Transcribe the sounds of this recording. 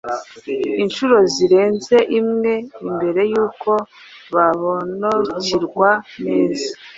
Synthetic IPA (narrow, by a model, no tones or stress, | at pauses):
inʃuɾo̞ziɾe̞ːnze̞ʔimŋe̞imbe̞ɾe̞juːkʰo̞ | βaβonoɾuciɾɡwaneːzḁ